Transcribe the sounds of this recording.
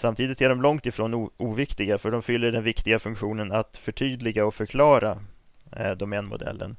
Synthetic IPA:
samt̪ʰiːd̪ɪt̪ʰɛːɖɔmlɔŋt̪ɪfɾoːnuːvɪkt̪ɪɡafœɖɔmfʏlːəɖɛnvɪkt̪ɪɡafɵŋkɧuːnənat̪fœʈʰyːd̪lɪɡaɔfœɾkʰlɑːɾa | d̪ɔmɛnmʊ̰d̪ɛ̰lːə̰n

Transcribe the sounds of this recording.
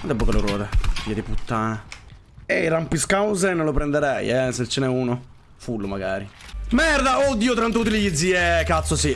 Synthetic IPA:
and̪ɛbːokelːoɾwɔ̰ːd̪eviːad̪iput̪ːaːna | eirampiskawzenonlːopɾend̪eɾɛjɛset͡ʃːenɛuːno | fulːomaɡaːɾimɛrd̪aod̪ːiːot̪ɾɛnt̪out̪̬ilid̪ziɛkːat̪sːosi

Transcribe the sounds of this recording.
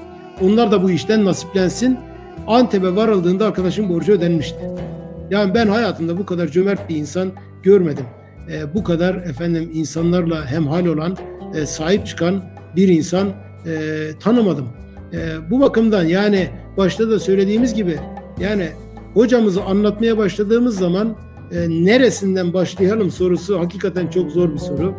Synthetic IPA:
o̞nlˠaɾd̪abuiʃt̪ænːasi̥plʲænsin | ant̪ʰebɛvaɾalˠd̪ɯːnd̪aːɾkʰad̪aʃɯmbo̞ɾd͡ʒaød̪ænmiʃt̪ʰɪ̥jaːnibænhajaːt̪ʰɯmd̪abukʰad̪aɾd͡ʒømæɾt̪̚biinsan | ɟ̥øɾmed̪imː | bukad̪aɾɛfænd̪iminsanlˠaɾlˠaɦæmɦaːlʲo̞lˠansaːhip̚t͡ʃʰɯ̥kʰan | biɾinsanː | t̪ʰanɯmad̪ɯm | ɯːbubakɯmd̪anjaːnɪbaʃt̪ʰad̪asø̞jlʲe̞d̪iːmizɟibɪjaːnɪ | ho̞d͡ʒamɯzanlˠat̪majabaʃlˠad̪ɯːmɯzːaman | ɯneɾesind̪ænbaʃlˠɯjalˠɯmso̞ɾusuhaciːkat̪ʰænt͡ʃʰo̞kzo̞ɾbiso̞ɾʊ

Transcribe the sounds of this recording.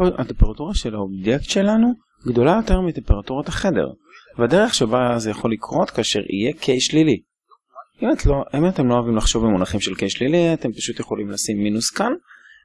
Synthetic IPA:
a̰t̪empeʁatuʁaʃe̞laobjekt̪ʃe̞lanu | ɡd̪o̞lajo̞t̪eʁmit̪e̞mpeʁat̪uʁataχe̞de̞̰ʁ | badeʁeχʃebaazjaχo̞lːikʁo̞t̪kaːʃe̞̰ʁḭjekʰejʃlili | ʔimatloimat̪e̞mloavimlaχʃo̞vbemonaχimʃelkejʃliliat̪e̞mpaʃut̪jeχo̞limlasimːinuskan

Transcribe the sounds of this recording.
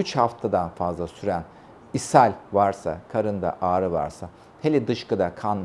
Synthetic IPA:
yt͡ʃhaft̪ʰad̪anfazlˠasyɾæn | isælʲvaɾsa̰kʰaɾɯnd̪a̰ʔaːɾɯva̰ɾsa | hʰelʲid̪ɯʃkɯd̪akʰan

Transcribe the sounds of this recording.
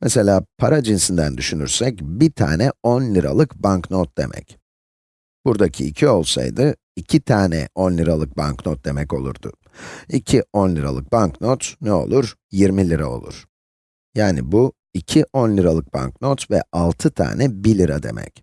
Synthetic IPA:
mɛse̞lʲaːpʰaɾad͡ʒinsind̪ænd̪yʃynyɾsɛcbit̪ʰa̰ːnɛo̞nlʲiɾa̰lˠɯkbaŋknot̪̚d̪̥e̞̰mʔɛ̰c | b̥uɾd̪acʰiːcʰio̞lˠsa̰jd̪ɯ | icʰit̪ʰaːnɛ̰o̞nlʲiɾalˠɯk̚ba̰ŋknot̪̚d̪e̞mɛco̞lˠṵɾd̪ʊ | icʰio̞nlʲiɾa̰lˠɯk̚banknot̪nɛo̞̰lˠuɾ | jiɾmilʲiɾao̞̰lˠṵɾ̥ | jaːnḭbu | icʰiʔo̞nlʲiɾalˠɯk̚b̥a̰nknot̪vɛ̰alˠt̪ʰɯt̪ʰa̰ːnɛbilʲiɾad̪e̞̰mʔɛ̰c

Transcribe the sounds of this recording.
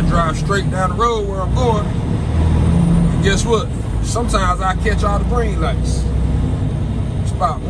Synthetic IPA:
dɹaɪv̥stɹ̥eɪt̚d̥ãʊ̃nəɹoʊwə˞ãkɔɹn | ɨɡɛs̚wʌd̥̚ | sʌ̃mtʰãɪ̃mzaɪkʰɛt͡ʃnəbɹĩnlaɪks | sba

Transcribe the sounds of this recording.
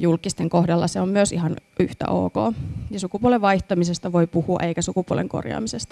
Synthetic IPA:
julkˑist̪eŋkohdɑlːɑseommyøsihɑnʔyht̪æ̰ʔo̰ːko̰ːjɑsukupuoleʋʋɑiht̪ɑmisest̪ɑʋoipuhuɑ̰ʔeikæsukupuo̰lḛŋko̰rjɑ̰ːmisest̪ɑ̥

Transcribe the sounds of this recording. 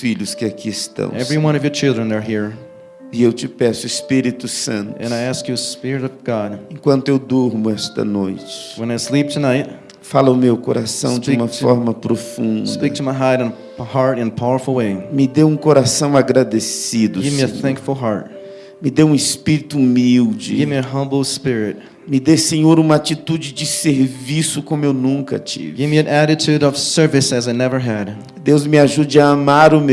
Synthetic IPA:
fiʎʊskɪakʰiɪst̪ɐ̰̃w̃ɛvɹiwʌ̃ñʌvjɔ˞t͡ʃʰɪlˠdɹɨ̃nðə˞ɦiɹ | ɪewt͡ʃɪpɛsʊɪspiɾit̪ʊsɐ̃nt̪ʊɨ̰̃naɪæskjɨspɪɹɨɾʌvɡɑdẽkwɐ̃nt̪ʊewd̪oɾmʊɛst̪ɐ̰nojt͡ʃɪ̥wə̃naɪslip̚tʰɨnaɪt̚ | falɐʊmewkoɾʔasɐ̰̃w̃d͡ʒɪũmɐfɔɾmɐpɾofũnd̪ik̚tʰɨmaɪɦaɪɾɨ̃n | hɑɹɾɨ̃npʰaʊə˞fl̩ˠweɪmɪd̪ewũkoɾasɐ̃w̃aɡɾad̪esid̪ʊɡɪvmiiɨ̃θɛ̃ŋkfl̩ˠɦaɹt̚ | mɪd̪ewũɪspiɾit̪ʊumiwd͡ʒɪ̰ɡɪvmiɨɦʌ̃mbl̩ˠspɪɹɪt̚ | mɪd̪esẽɲoɾũmɐat͡ʃit̪ud͡ʒɪd͡ʒɪseɾvisʊkõmʊewnũkɐ̰t͡ʃḭvɡɪvmiɨ̃næɾɨtʰʉɾʌv̥sɜ˞vɨsɨzaɪnɛvə˞ɨd̥ | d̪ewzmɪaʒud͡ʒɪaamaɾʊme

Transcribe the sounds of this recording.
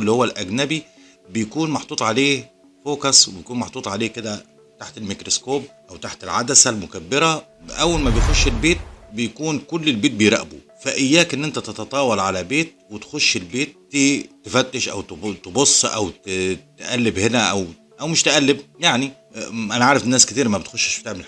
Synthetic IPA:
lːihowːælʔæɡnæbi | bɪjkuːnmɑħt̪ˤuːt̪ˤʕaleːh | foːkɑsˤwbjkuːnmɑħt̪ˤuːt̪ˤʕaleːked̪æ | t̪aħt̪elmikɾoskoːb̚ʔæwt̪aħt̪elʕad̪æsælmʊkæbːɪɾæʔæwːælmæbejxoʃːelbeːt̪̚bejkuːnkʊlːɪlbeːt̪̚bejɾˤæ̰ʔbu | fæʔɪjːæːkʔɪnːʔɪnt̪æt̪et̪ɑt̪ˤɑːwɑlʕalæbeːt̪̚wɪt̪xʊʃːɪlbeːt̪̚ːit̪ɪfæt̪ːɪʃʔæ̰wt̪t̪ebosˤːʔæ̰wt̪t̪ʔælːɪbhɪnæʔæw | ʔæwmɪʃt̪ɪʔælːɪb̚jaʕni | ʔænaʕaʕːɾɪfnːæːskɪt̪iːɾmæbɪt̪xʊʃːʃfi̥t̪eʕml

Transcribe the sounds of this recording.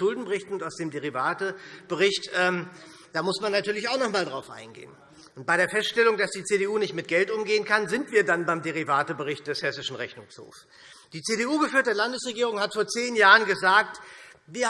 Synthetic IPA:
ʊldn̩bəʁɪçtn̩ʊntaʊsd̥eːmdeʁivaːtəb̥əʁɪçtʔɛːm | d̥aːmʊsmanːatʰyːɐlɪçaʊxnɔχmaːldʁaʊfʔa̰ɪnɡḛːən | ʔʊnt̚b̥aɪɾeːɐfɛstʃtɛlʊŋdasd̥iːt͡seːɾeʔuːnɪçtmɪt̚ɡ̥ɛltʔʊmɡeːənkʰanzɪntv̥iːɐdanbaɪmdeʁ̞ivaːtəbəʁɪçt̚d̥ɛshɛsɪʃn̩ʁɛçnʊŋsho̰ːf | d̥iːt͡seːɾeuːɡəfyɐt̚dəɐlandəsʁeɡiːʁ̞ʊŋhatfoːɐt͡seːnjaːʁənɡəzaːk̚tviːɐ

